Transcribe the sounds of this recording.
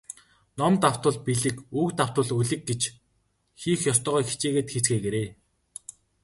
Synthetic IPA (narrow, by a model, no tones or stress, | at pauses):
nɔmt̪aw̥t̪ə̆ɮpiɮɘ̆kuːkt̪aw̥t̪ʊ̆ə̆ɮuɮɘ̆k̚ɡet͡ɕ | xiːxjɔst̪ɔːʁɔːjxe̥t͡ɕeːɣeːt̪xet͡sɡeːɡeɾeː